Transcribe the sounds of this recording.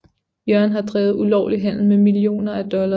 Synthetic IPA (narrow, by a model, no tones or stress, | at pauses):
jɶɐnɦɑ̈d̥ʁɛ̰ːð̞̩ˠulɒ̰ʊ̰liɦæn̰l̩memilio̝̰ːnɐæd̥ɒ̽lɐ